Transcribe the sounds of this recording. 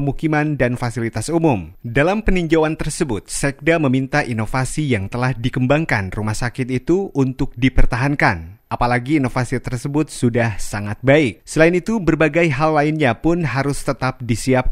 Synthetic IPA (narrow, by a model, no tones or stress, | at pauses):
mukimandanfasilit̪asumʊmdalampəniɲd͡ʒawant̪ərsəbʊt̪̚sɛk̚daməmint̪aʔinofasijaŋt̪əlahdikəmbaŋkanrumahsakɪt̪it̪uunt̪ʊk̚dipərt̪aɦankanʔapalaɡiːnofasit̪ərsəbʊt̪̚sudahsaŋat̪̚baɪk̚səlainit̪ubərbaɡajɦalːaɪnɲapʊnɦaɾʊst̪ət̪ap̚disiap̚